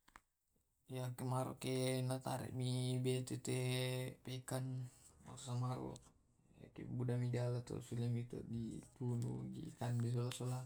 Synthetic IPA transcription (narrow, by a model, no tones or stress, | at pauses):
jakemaɾo̰ʔkenat̪aɾɛ̰ʔmibet̪et̪epekana̰samaɾo̰ | ja̰kḛbudamidalat̪ɔ̰filimit̪ɔ̰ʔdit̪unṵɡḭkanbis̬olasola